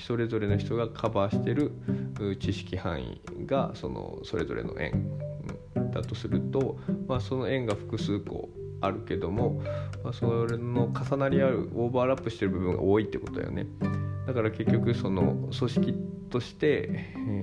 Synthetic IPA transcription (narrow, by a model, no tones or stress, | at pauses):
so̞ɾe̞zo̞ɾe̞no̞çi̥t̪o̞ɡakʰabaɕi̥t̪e̞ɾɯ̟ɯːt͡ɕiɕi̥kʲihã̰ɰ̃ḭɡa̰so̞̰no̰so̞ɾe̞zo̞̰ɾe̞̰no̞̰ʔẽ̞̰ŋ̰̃ | d̪̥at̪o̞sɨɾɯ̟t̪o̞maso̞no̞ẽ̞ŋɡaɸɯ̟̥kɯ̟sɨːko̞̰ | aɾɯ̟ke̞d̪o̞mo̞masoɾeno̞kasanaɾʲiaɾɯ̟̰oːbaːɾapːɯ̟ɕi̥t̪e̞ɾɯ̟bɯ̟bɯ̟̃ŋɡa̰ʔo̞ːit̪ːeko̞t̪od̪a̰jo̰ne̞̰d̪̥akaɾake̞kʲːo̞kɯ̟so̞no̞̰so̞ɕi̥kʲit̪o̞ɕi̥t̪e̞